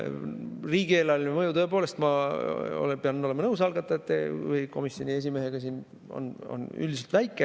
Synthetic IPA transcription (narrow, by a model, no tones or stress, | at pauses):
riːɡie̞ːlɑlʲnemɤjut̪ɤe̞p̬o̞ːle̞st̪mɑo̰lpeɑno̞le̞mɑnɤws̬ɑlɡ̥ɑt̪ːˑɑet̪ːḛvɯjko̞̰misjo̞nʲie̞s̬ʲime̞ɦe̞ɡ̥ɑsiːn | o̞̰no̰ny̰ld̪ʲiselt̪væjkːˑe